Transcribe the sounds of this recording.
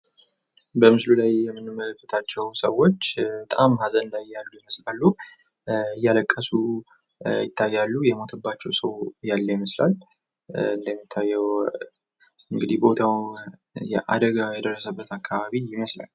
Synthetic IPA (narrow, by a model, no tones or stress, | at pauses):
bəmɨslulajːɛmːɨnːɨmːələkːət̪ʰat͡ʃːɛwsəwo̞t͡ʃːbət̪ʼa̰mhazənɨnd̪ajːalːujɪməslalːu | jːaləkʼːəsu | jɪt̪ʰːajːalːujɛmo̞t̪ʰəbːat͡ʃːɛwsəwjalːəjɪməsla̰l | ɨnd̪əmːit̪ʰːajːɛw | ɨŋɡɨd̪ihbo̞t̪ʰaw | jɛʔa̰d̪əɡajɛd̪ərːəsəbːət̪akʰːaβaβijɪməsla̰l